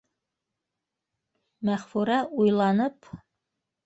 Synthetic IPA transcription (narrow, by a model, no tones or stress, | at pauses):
mæχfuɾɑʔujlˠɑnɤp